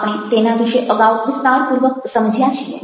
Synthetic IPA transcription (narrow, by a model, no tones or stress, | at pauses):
pɽ̃ẽt̪enad̪iɕeʔəɡaʋkust̪aɾpuɾʋək̚səmd͡ʑʱjat͡ɕijḛ